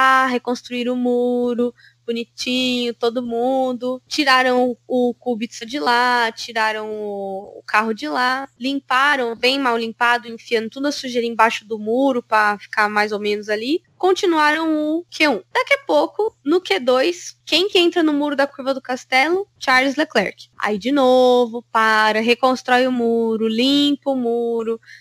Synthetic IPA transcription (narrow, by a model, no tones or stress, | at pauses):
aɦekõst̪ɾuiɾʊmuɾʊ | bunit͡ʃĩɲʊt̪od̪ʊmũd̪ʊt͡ʃiɾaɾɐ̃w̃ʊʊkubisɐd͡ʒɪlat͡ʃiɾaɾɐ̃w̃ʊ̰ːkʰaɦʊd͡ʒɪlalĩmpaɾɐ̃w̃bẽj̃mawlĩmpad̪ʊẽfiɐ̃nʊt̪ũd̪ʊɐsuʒeɾẽbaʃʊd̪ʊmuɾʊpɾɐfi̥kamajzowmẽnʊzali | kõnt͡ʃinuaɾɐ̃w̃ʊkʰeũd̪̥akiɐpokʊnʊked̪ojskẽj̃kɪẽnt̪ɾɐnʊmuɾʊd̪ɐkuɾvɐd̪ʊkast̪ɛlʊt͡ʃaɾlɪzleklɛ̰ɾkɪ̥a̰id͡ʒɪnovʊpaɾɐɦekõst̪ɾɔjʊmuɾʊlĩpʊmuɾʊ